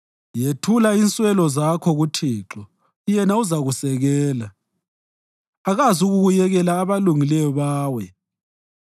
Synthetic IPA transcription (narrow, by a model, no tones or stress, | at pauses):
jetʰulainsʼwɛlɔzakʰɔɣutʰiːǁɔ | jɛnauzaɣusɛɣɛːla | aɣazuɣuɣujɛɣɛlaːβaluŋilɛjɔβaːwɛ